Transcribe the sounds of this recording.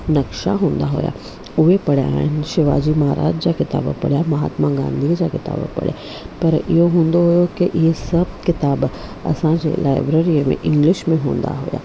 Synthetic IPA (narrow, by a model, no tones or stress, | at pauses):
nɐkʃa̰ɦõːnd̪aɦo̰ja̰ | ʊɦepɐɽja̰ːɦɪn̆ʃɪʋaːd͡ʑimɐɦaɾʔa̰ːd͡ʒd͡ʑakɪt̪a̰ːbpɐ̰ɽjamɐɦa̰ːt̪mãɡã̰ːnd̪ʱiːd͡ʑakɪt̪a̰ːbpɐ̰ɽ̤ja̰ | pɐɾɪɦoɦũːnd̪oɦʊjokeʔɪesɐb̚kɪt̪aːbɐ̰sãd͡ʑḛlaːɪbɾeːɾimḛ̃ʔɪ̃ŋɡlɪʃmẽɦõːnd̪a̰ɦo̰ja̰ː